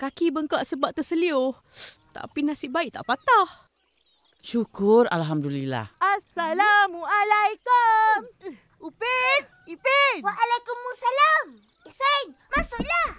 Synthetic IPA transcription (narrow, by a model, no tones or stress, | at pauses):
kakibəŋkaʔsəbaʔ̚t̪əsəliʊh | t̪a̰ʔpinasiʔbaiʔt̪a̰ʔpat̪ah | ʃukʊra̰lɦamdulila̰hʔasːalamuʔalajkum | upɪt̪ | ipɪnwaʔalajkumusalam | isenmasʊlah